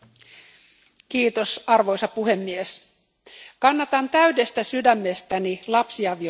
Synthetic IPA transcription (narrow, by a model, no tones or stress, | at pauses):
kiːt̪o̞sɑrʋo̞jsɑpuhe̞mːies | kɑnːɑt̪ɑnt̪æɥde̞st̪æsydæmːest̪ænilɑpsiɑʋi